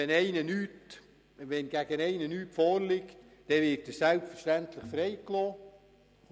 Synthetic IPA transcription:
ɛnɛɪnənyt | ʋɛnɡ̥æɡ̥ənɛɪnənyːtfoːrlɪkt | d̥ɛʋɪrtːəsælpfərʃtæntləχfɾɛɪklɔː

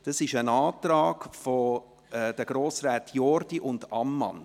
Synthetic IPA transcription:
d̥ɑsɪʃənaːtɾɑːɡ̥fɔ | ɛd̥əɡ̥ɾoːsɾɛːtʰjɔɾd̥iʔʊndɑmːɑ̰n

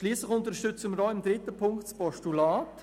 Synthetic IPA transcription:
ʃliːslɪxʊntəɾʃtʏt͡səməɾɔɪmd̪ɾɪtəpʰʊŋktspɔʃtulaːt

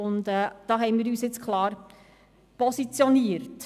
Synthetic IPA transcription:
ʊndɛːd̥ɑːɦɛɪnmiːɾyːsjɪt͡skʰlˠɑːɾ | pɔsit͡sjɔniəɾt

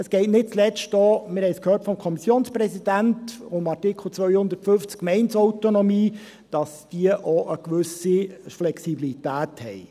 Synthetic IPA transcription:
əsɡ̥ɛɪtnɪt̚t͡slɛstɔːmɪɾhɛɪskʰhøːrtfɔmkʰɔmisjoːnsprɛzid̥æntʊmɑrtikʰl̩ˠt͡sʋœʏhʊnd̪ərtfʏft͡skmɛɪnsɔʊtonomiː | d̥ɑsd̥iəʔɔʔəkʋʏsiflɛksibilitæːthɛɪ

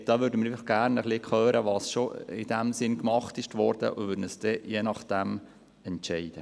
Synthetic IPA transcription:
d̥ɑːʋøːɾdəmɪɾɛɪflɪχɡ̥æːɾnəχlɪkχøːɾʔəʋɑːsʃoɪd̥æmsɪnkmɑχtɪʃtʋɔɾd̥ə̰ʔʊʋʏːɾənəsd̥ɛjenɑχd̥æm | ɛntʃɛɪd̥ə

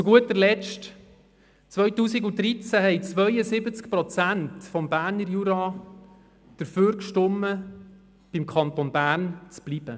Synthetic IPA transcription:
t͡suɡuətːəɾlɛt͡ʃt | t͡sʋœɥtuːsiɡʊt̪ɾit͡sæhɛjt͡sʋœɥəsɪbət͡skpɾɔt͡sæntfɔmbæːɾnəɾjuɾɑ | d̪̥əɾføːɾkʃtɔmːə | b̥imkʰɑnt̪onbæːɾnt͡sb̥lib̥ə

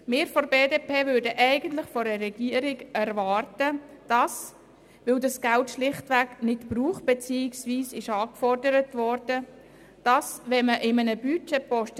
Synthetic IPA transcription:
mɪːɾfɔɾbeːdeːpʰeːvʏɾdəʔɛɪɡəntlɪχfɔɾərɛɡiəɾɪɡæɾvɑːrtəd̥ɑs | ʋɪldɑsɡ̥altʃlɪχtʋæknɪtbɾuːχb̥ɛt͡siːɪksʋiːsɪʃɑːkfɔrdəɾətvɔrd̥ə | d̥ɑsʋɛməʔɪmənəbyt͡ʃɛpɔʃt

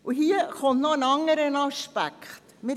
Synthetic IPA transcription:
ʔuɦiːəχont̪nɔənɑŋːəɾənɑʃpæ̰kχtmɪ

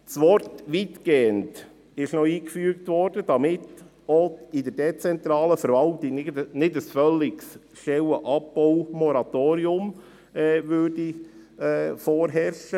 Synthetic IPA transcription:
t͡sʋɔɾtʋit̪ɡ̥eːənt | ɪʃnɔiːkfyːəkt̪ʋɔɾd̥əd̥ɑmɪt | ɔidəɾdɛt͡sɛnt̪ɾɑːləfəɾʋɑltɪnɪnɪdəsfœlːɪks | ʃtɛwəʔɑpːɔwmɔɾɑt̪oːɾiʊm | ɛːʋʏɾdiɛfɔːɾɦɛɾʃə

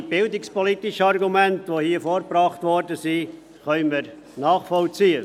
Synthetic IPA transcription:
b̥ɪldɪkspɔlitɪʃəɑrɡumæntʋohiəfoːɾpɾɑːχtʋɔɾdəsi | χœʏməɾ | nɑːχfɔlt͡siːə

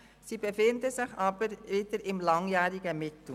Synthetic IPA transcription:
siːbefɪndəzɪçʔɑːbəɾiːdəɾɪmlɑŋjɛːɾɪɡəmɪtʊ

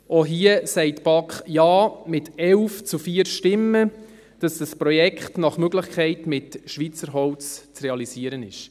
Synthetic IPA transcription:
oɦiəsɛɪtb̥ɑkχjɑːmɪtɛlft͡sufiəɾʃtɪmːə | d̥ɑsd̥ɑspɾɔjɛkχtnɑχmøɡlɪχkʰɛɪtmɪtʃʋit͡səɾɦɔlt͡st͡srɛɑlisiəɾənɪ̰ʃ

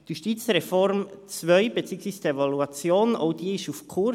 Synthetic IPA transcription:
d̥iʃtiːt͡srefɔɾmt͡svœʏb̥et͡siːɡŋsviːsd̥evaluat͡sjoːnʔo̰d̥iːɪʃufkʰʊ

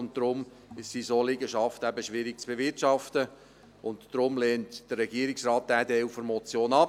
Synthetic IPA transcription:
ʊnt̚d̪̥ɾʊm | ɪʃsisolɪɡəʃɑftæbəʃʋɪɾɪkt͡sb̥evɪtʃɑftə | ʊntd̥ɾʊmlɛːntd̥ərːɛɡiːəɾɪksrɑːt̚d̥æːdɛfəɾmɔt͡sjoːnɑp

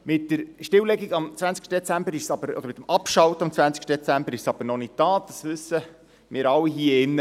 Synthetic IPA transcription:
mɪtːəɾʃtɪwlɛɡiɡɑmt͡sʋænt͡skʃtəd̪et͡sæmbəɾɪʃsɑb̥əɾɔ̰d̪əɾmɪt̪ːəmɑpʃɑwt̪ɑmt͡sʋænt͡sɪ̥kʃtədɛt͡sæmbəɾɪʃsɑb̥əɾnɔnɪttɑːd̥ɑsʋʉsːə | mɪːɾɑlːiɦiːəɪnːə

